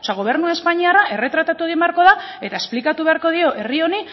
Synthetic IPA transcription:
seaɣ̞o̞β̞e̞ɾnuae̞spaɲiaraʔe̞re̞t̪ɾat̪at̪uðembeaɾko̞ðae̞t̪ae̞splikat̪uβe̞aɾko̞ð̞io̞ʔe̞rio̞ni

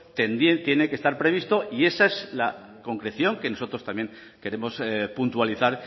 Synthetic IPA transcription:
t̪enjent̪je̞ne̞ke̞st̪aɾpɾe̞β̞ist̪o̞ie̞sae̞sla | ko̞ŋkɾe̞θjo̞ŋke̞no̞so̞t̪ɾo̞st̪amje̞ŋ | ke̞ɾe̞mo̞spunt̪waliθaɾ

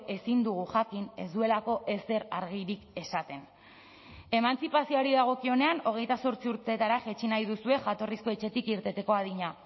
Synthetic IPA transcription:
e̞sind̪uɣuʝakine̞̰zd̪ue̞lako̞ʔe̞se̞ɾaɾɣiɾike̞sat̪e̞n | e̞mant͡sipasio̞aɾiðaɣ̞o̞kio̞ne̞ano̞ɣ̞e̞jt̪aso̞ɾt͡siuɾt̪e̞t̪aɾaʝet͡ʃinajðusue̞ʝat̪o̞risko̞e̞t͡ʃe̞t̪ikiɾt̪e̞t̪e̞ko̞að̞iɲa

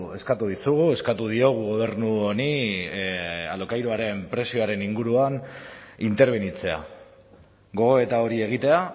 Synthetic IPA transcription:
e̞skat̪uðisuɣ̞ue̞skat̪uð̞io̞ɣ̞uɣo̞β̞e̞ɾnuoni | a̰lokajɾoaɾe̞mpɾe̞sio̞aɾe̞niŋɡuɾuanint̪e̞ɾβ̞e̞nit͡se̞a̰ | ɡo̞ɣ̞o̞e̞t̪ao̞ɾie̞ɣ̞it̪e̞a

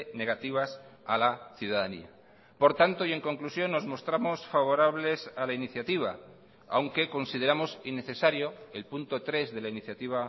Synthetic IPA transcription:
ne̞ɣat̪iβ̞asalaθjuðaðanḭa̰ | po̞ɾt̪ant̪oie̞ŋko̞ŋklusjo̞nːo̞zmo̞st̪ɾamo̞sfaβo̞ɾaβ̞le̞salainiθjat̪iβ̞a̰ | a̰wŋke̞ko̞nsið̞e̞ɾamo̞sinːe̞θe̞saɾjoelpunt̪o̞t̪ɾe̞zðe̞lainiθjat̪iβa

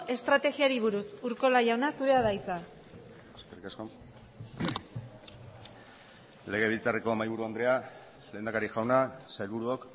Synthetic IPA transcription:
e̞st̪ɾat̪e̞ɣiaɾiβ̞uɾusuɾko̞laʝawnasuɾe̞aðajt͡sa | skerikasko | le̞ɣ̞e̞βilt͡sareko̞majβuɾuand̪ɾe̞a | le̞ːnd̪akaɾiʝawnasajlβuɾuok

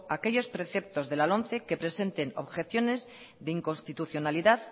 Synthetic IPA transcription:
ake̞ʎo̞spɾe̞θe̞p̚t̪o̞zðelalo̞n̟θe̞ke̞pɾe̞se̞nt̪e̞no̞̰βxe̞θjo̞ne̞z | ðeiŋko̞nst̪it̪uθjo̞naliðað

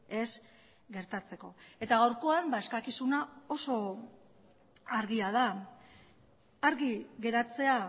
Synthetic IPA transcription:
e̞z | ɡe̞ɾt̪at͡se̞ko̞e̞t̪aɣawɾko̞ambae̞skakisunao̞so̞ | aɾɣiað̞a | ɾɣiɣe̞ɾat͡se̞a

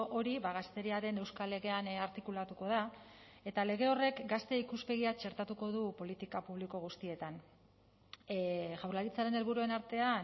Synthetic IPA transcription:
ʔo̞ɾiβaɣast̪e̞ɾiaɾe̞ne̞wskale̞ɣ̞e̞anaɾt̪ikulat̪uko̞ð̞a | e̞t̪ale̞ɣ̞e̞o̞re̞kɡast̪e̞ikuspe̞ɣ̞iat͡ʃe̞ɾt̪at̪uko̞ðupo̞lit̪ikapuβliko̞ɣ̞ust̪ie̞t̪an | ʝawɾlaɾit͡saɾe̞ne̞lβuɾue̞naɾt̪e̞a

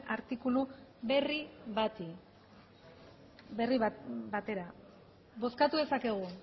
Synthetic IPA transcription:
aɾt̪ikuluβeriβat̪i | beribat̪e̞ɾa | bo̞skat̪uðe̞sake̞ɣ̞u

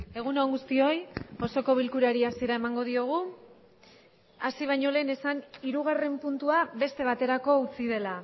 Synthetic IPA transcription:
e̞ɣ̞unoŋɡust̪io̞jo̞so̞ko̞βilkuɾaɾiasieɾae̞maŋɡo̞ð̞io̞ɣ̞u | asiβ̞ajɲo̞le̞ːne̞saniɾuɣare̞mpunt̪uaβe̞st̪e̞β̞at̪e̞ɾako̞ut͡sið̞e̞la

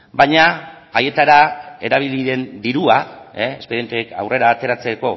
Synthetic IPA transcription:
bajɲa | aje̞t̪aɾae̞ɾaβ̞iliðe̞nd̪iɾuaeespeðijent̪eka̰wre̞ɾaːt̪e̞ɾat͡se̞ko̞

